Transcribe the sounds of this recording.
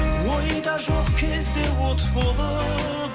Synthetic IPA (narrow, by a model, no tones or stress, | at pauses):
wojəjd̪ɑʒoqkʲʰezd̪ewot̪ʰəpbolˠd̪ə